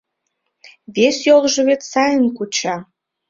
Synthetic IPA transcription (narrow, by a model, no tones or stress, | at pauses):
βesjolˠʒɤ̆βet̪sɑjənkut͡ɕɑ